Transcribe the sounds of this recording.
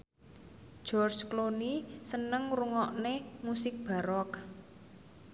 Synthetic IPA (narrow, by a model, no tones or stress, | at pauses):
ʒ̥ɔrt͡ʃklonisənəŋruŋɔʔnemusɪk̚b̥a̤ɾɔk